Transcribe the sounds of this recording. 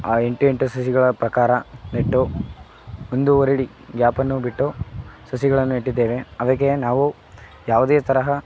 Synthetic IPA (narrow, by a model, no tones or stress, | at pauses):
aːe̞ɳʈue̞ɳʈusɐs̬iɡɐɭɐpɾɐkaːɾɐneʈːo | ond̪uoɾiɽi | ɡjaːpɐnːubiʈːosɐsiɡɐɭɐnːueʈːid̪ːeːʋeɐʋɐɡenaːʋu | jaːʋud̪eːt̪ɐɾɐɦɐ